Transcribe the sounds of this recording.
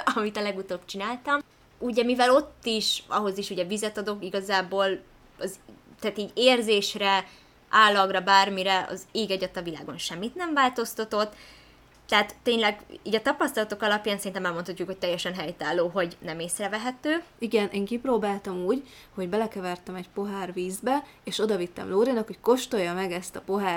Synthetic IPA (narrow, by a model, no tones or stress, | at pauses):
ɒmit̪ɒlɛɡut̪oːbt͡ʃinaːlt̪ɒm | uɟɛmivɛlo̞t̪ːiʃɒ̰ɦo̞ziʃuɟɛvizɛt̪ɒd̪o̞kiɡɒzaːboːl | ɒzt̪ɛaːt̪iːɟeːrzeːʃrɛ | ʔaːlːɒɡrɒbaːrmiɾɛɒ̰zeːɡɛɟɛt̪ɒvila̰ːɡo̞nʃɛmːit̪nɛɱvaːlt̪o̞st̪ɒt̪o̞t̪ː | ɛɦat̪ːeːɲlɛɡiːɟɒt̪ɒpɒst̪ɒlɒt̪okɒlɒpjaːnsɛɾint̪ɛmɛlmo̞nt̪ʰɒc̪ːukho̞c̚t̪ɛjːɛʃɛnɦɛjt̪aːlːoːɦo̞ɟnɛmeːsrɛvɛɦɛt̪øːiɡɛnʔeːŋkiproːbaːlt̪ɒmuːɟho̞ɟbɛlɛkɛvɛrt̪ɛmɛɟpo̞ɦaːrviːzbɛ | eːʃo̞d̪ɒvit̪ːɛ̰mloːɾeːnɒkho̞cko̞ʃt̪o̞jːɒmɛɡɛst̪ɒpo̞ɦaː